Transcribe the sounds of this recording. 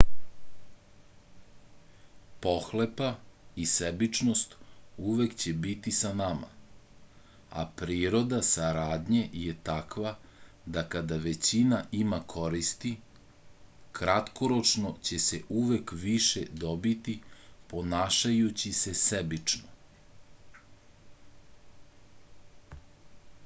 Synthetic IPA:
po̞xle̞paisebit͡ʂno̞st̪uʋe̞kt͡ɕe̞bit̪isanama̰ | a̰pɾiːɾo̞d̪asaɾaːd̪ɲe̞jet̪akʋa | d̪akad̪aʋe̞t͡ɕinaʔimakʰo̞ɾist̪i | kɾat̪ko̞ɾo̞t͡ʃno̞t͡ɕe̞se̞ʔuʋe̞kʋiʃed̪o̞bit̪ipo̞naːʃajut͡ɕise̞sebit͡ʂno

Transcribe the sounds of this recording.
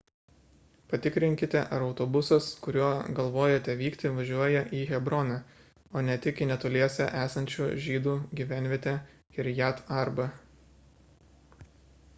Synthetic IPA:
pɐt̪ʲɪkɾʲɪŋʲkʲɪt̪ʲɛʔɐɾɒʊt̪obʊsɐskʊɾʲuɔːɡɐlˠʋoːjɛt̪ʲɛʋʲiːkt̪ʲɪʋɐʒʲuɔjɛʔiːɣʲɛbɾɔnɐ | oːnʲɛt̪ʲɪkiːnʲɛt̪olʲiɛsʲɛʔæːsɐnʲt͡ʃʲuːʒʲiːd̪uːɡʲiːʋʲæˑnʲʋʲiɛt̪ʲɛ | ɪɾjæt̪ɐɾbɐ

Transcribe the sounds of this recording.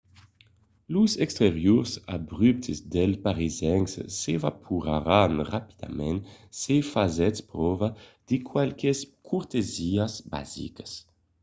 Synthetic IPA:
luzɛkst̪eʁjuʁsa̰bʁyp̚t̪ʰizd̪ɛlpaʁizɛŋssevapʰuʁaɾanʁapi̥d̪a̰mɛ̃nsefazɛtspɾɔvad̪̥ikʰwalkeskʰuɾt̪eziazba̰zḭkḁs

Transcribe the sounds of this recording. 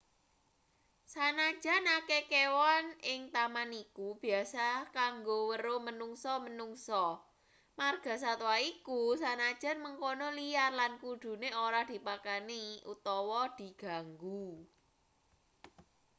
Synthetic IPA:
sanad̥ʒ̥a̤nakekewanɪŋt̪amanikub̥i̤asakaŋɡowəɾomənuŋsɔmənuŋsɔ | marɡ̥a̤sat̪uwaikusanad̥ʒ̥a̤nməŋkonoliarlankud̪̥ṳneoɾahd̪̥i̤pakaniṵt̪ɔwɔd̪̥i̤ɡ̥a̤ŋɡu

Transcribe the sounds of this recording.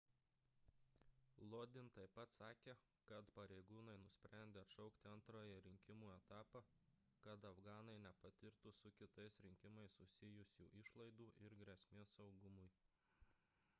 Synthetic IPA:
lˠoːd̪ʲɪnt̪ɐɪpːɐt̪sɑːkʲeː | kɐt̪pɐɾʲɛɪɡuːnɐɪnʊsʲpʲɾʲʔæˑnʲd̪ʲeːɐt̪ʃɔʊkt̪ʲɪɐnt̪ɾoːjɛɾʲɪŋʲkʲɪmuːɛt̪ɑːpɑ | kɐt̪ɐfɡɑːnɐɪnʲɛpɐt̪ʲɪɾt̪ʊsʊkʲɪt̪ɐɪsɾʲɪŋʲkʲɪmɐɪsʊsʲɪjʊsʲṵːʔɪʃlˠɐɪd̪uːʔɪɾɡɾʲɛsʲmʲeːsɒʊɡʊmʊj

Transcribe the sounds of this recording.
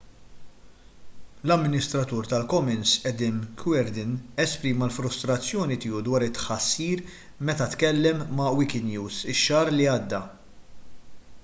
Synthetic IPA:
lɐmːɪnɪst̪ɾɐt̪uːɾt̪ɐlkɔmɛnsʔɛd̪ɪnkʰwɛɾd̪ɪnɛspɾiːmɐlfɾʊst̪ɾɐt͡sːjɔːnit̪ɪːud̪wɐːɾɪt̪ːħɐsːiːɾ | mɛt̪ɐt̪kɛlːɛmːɐwɪkɪd̪njuːsɪʃːɐːɾliɐːd̪ːɐ

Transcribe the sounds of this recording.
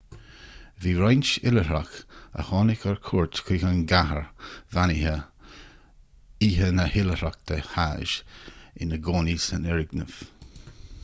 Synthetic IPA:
viːɹajnt͡ʃɪləɦɾakə̰hɑːnɪkəɹkʰuɹt̪kʰiːxənɡaɦəɹvanɪhə | iːɦənəhɪləhɾak̚t̪ʰəhaʒɪ̰nəɡoːnisənɛɹɪɡnəv̥

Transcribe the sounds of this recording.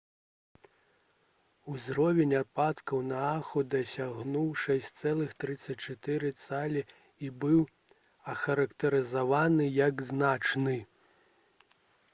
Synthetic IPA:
uzɾɔvʲɛnʲat̪̚pat̪kɐwnɐaxud̪ɐsʲaɣnuwʂɛsʲt̪sɛlˠɨxt̪ɾɨt̪sːɐt͡sʲt͡ʂat̪ɛɾɨt̪salʲi | ibɨw | ɐxɐɾɐkt̪ɐɾɨzavanɨjɐɡznat͡ʂnɨ

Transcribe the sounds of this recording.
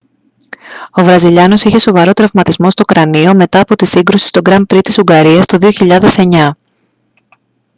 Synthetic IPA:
o̞vɾɐziʎɐno̞siçe̞so̞vɐɾo̞t̪ɾɐvmɐt̪izmo̞st̪oukɾɐnio̞me̞t̪ɐːpo̞t̪isiŋɡɾusi̥st̪o̞ɡɾɐmpɾit̪isuŋɡɐɾiɐst̪o̞ðioçiʎɐðe̞se̞ɲɐ

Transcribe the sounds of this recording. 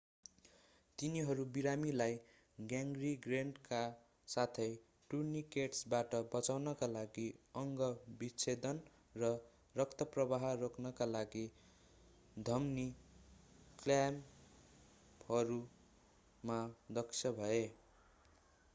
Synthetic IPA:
t̪iniɦʌɾubiɾamilaj | ɡjaŋɡriɡreɳɖka | sat̪ʰʌj | ʈurnikeʈsbaʈʌbʌt͡sawnʌkalaɡiʌŋɡʌbit͡sʰed̪ʌn | rʌ | rʌkt̪ʌprʌbaɦrokʰnʌkalaɡi | d̪ʱʌmni | klam | hʌɾu | mad̪ʌksʰjʌbʱʌe

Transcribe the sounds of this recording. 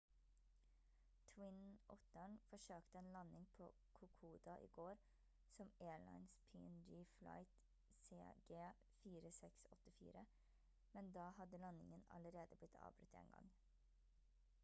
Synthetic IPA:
t̪ʰwɪnʔɔt̪əɳfɔʃøːkt̪əeːnlɑnɪŋpʰo̰ː | kʰʊkʰuːd̪ɑʔḭːɡoːɾ | sɔmʔeːɭɑ̰ɪnspʰiːɛnd͡ʒiːfla̰ɪt̪ | sḛːɡeː | fiːɾəsɛksɔt̪əfḭːɾə | mɛnd̪ɑːhɑd̪əlɑnɪ̰ŋənɑ̰ləɾeːd̪əblɪt̪ʰɑ̰ːʋbɾʉt̪ḛːnɡɑ̰ŋ

